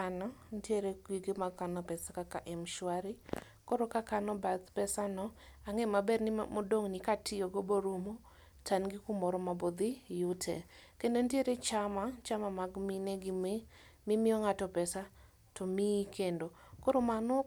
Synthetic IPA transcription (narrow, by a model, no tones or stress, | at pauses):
anɔntjeɾekwiɡemaɡkanɔpɛsakakaʔɛmʃwaɾi | kɔɾokakanɔbat̪pɛsanɔaŋemabɛrnɪmodoŋnɪkatʰɪjoɡoboɾomo | tʰanɡikumɔɾɔmabod̪ijutʰɛ̰kendontjeɾet͡ʃamat͡ʃamamaɡmineɡime | mimɪɔŋatɔpɛsa | tomikendokɔɾomanɔ